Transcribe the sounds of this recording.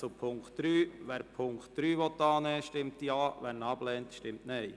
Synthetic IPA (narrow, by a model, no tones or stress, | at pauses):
sopʰʊŋkχtd̥ɾyːʋæːɾpʰʊŋktd̥ɾyːʋɔt̪ːɑːnɛːʃtɪmt̪iɑːʋæːnɑːb̥lɛːnt̪ʃtɪmtnɛɪ